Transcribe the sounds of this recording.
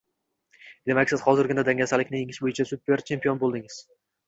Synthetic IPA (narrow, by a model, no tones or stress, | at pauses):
d̪̥e̞makʲsɪzhɒzɪɾɡʲɪnad̪aŋʲasalɪkʲnɪjeŋɪʃbojɪt͡ʃʰasʊt̪̚beɾt͡ʃʰe̞mpijo̞nbolˠd̪ɪŋɪz̥